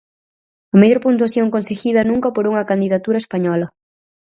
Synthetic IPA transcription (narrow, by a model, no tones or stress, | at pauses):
ɐmeʎoɾpunt̪̬uaθjoŋkõnseɣiðɐnũŋkɐpoɾuŋɐkand̪iðat̪uɾɐespaɲɔlɐ